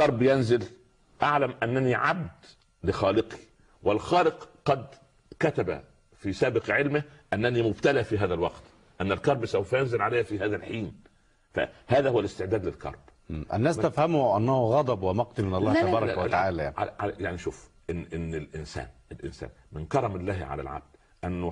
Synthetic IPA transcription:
kɑɾˤbjænzɪl | ʔaʕlæmʔænːæniʕab̚d̪ | lɪxɑːlɪqi̥ | wɪlxɑːlɪqqɑd̪ | kæt̪æbæ̰ | fiːsæːbɪqʕɪlmɪhʔænːænimʊbt̪ælæːfiːɦæːðælwɑqt̪ | ʔænːælkɑɾˤbsawfæjænzɪlʕalæjhfiːɦæːðælħiːn | fæ̰hæːðæhʊwælɪst̪ɪʕd̪æːd̪lɪlkɑ̰ɾˤb̥ʔæ̰nːæːst̪æfhæmʊʔænːæhuɣɑd̪ˤɑbwɪmɑq̚t̪ɪlmɪnɑlˤːɑht̪bɑːɾˤɑw̪aʕaːlæaʕa̰ʕaljaʕniʃuːf | ʔɪnːʔɪnːɪlʔɪnsæ̰ːnɪlʔɪ̰nsæ̰ːn | mɪnkɑɾˤɑmɪlːæːhʕa̰læ̰lʕa̰b̚d̪̥ | ʔænːʊ

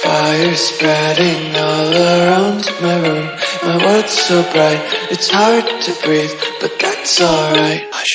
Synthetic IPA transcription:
faɪə˞spɹɛɾɪ̃ŋɔlˠəɹãʊ̃ndmaɪɹʉ̃mmaɪwɜ˞d̥soʊbɹaɪɾɨtshɑɹd̚tʰɨbɹiðb̥ʌt̪̚ðætsɔlˠɹaɪt̚

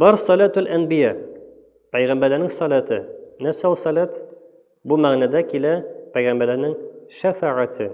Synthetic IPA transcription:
bɒɾsɑlæt̪ælʔænbɪjæ | pæjʁæmbæɾlænɘŋsɑlæt̪ɘnæsælˠsɑlæt̪ | bumæʁnæd̪ækilæpæjʁæmbæɾlæɾnɘŋʃæfaʕat̪ʰɘ

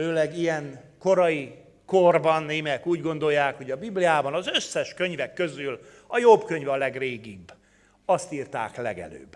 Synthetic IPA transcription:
øːlɛɡijɛŋko̞ɾɒji | korbɒnːeːmɛkuːɟɡo̞n̪d̪o̞jːaːkho̞ɟɒbiblijaːbɒnɒzøsːɛʃkø̞ɲvɛkːø̞zyl | ɒjobkø̞ɲvɒlɛɡreːɡibː | ɒst̪iːrt̪a̰ːklɛ̰ɡɛ̰lø̰ːbː

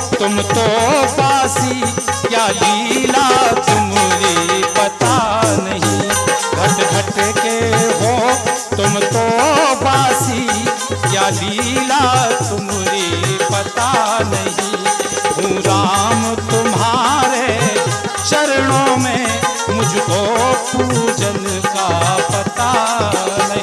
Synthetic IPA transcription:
t̪ʊmt̪obaːsikjaliːlat̪ʊmlipɐt̪anɐɦĩɡʱɐʈɡʱɐʈkeɦo | t̪ʊmt̪obaːsi | kjaːliːlat̪ʊm | lipɐt̪anɐɦĩɦũɾaːmt̪ʊmɦaːɾe | t͡ʃɐɾɽõmẽ | mʊd͡ʒʱkopuːd͡ʒən | kapɐt̪a | nɐɦ

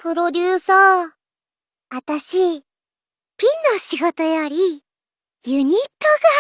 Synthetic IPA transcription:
pɯ̟ɾo̞d̪ʲɨːsaː | at̪aɕi | pʲĩnːoɕiɡo̞t̪ojaɾʲi | jɯ̟ɲ̟it̪ːo̞ɡa

